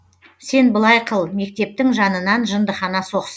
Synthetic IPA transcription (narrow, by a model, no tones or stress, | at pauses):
se̞nbəlˠɑjqʰəlˠme̞kt̪e̞p̚t̪ɪŋʒɑnənɑnʒənd̪əχɑnɑso̞qs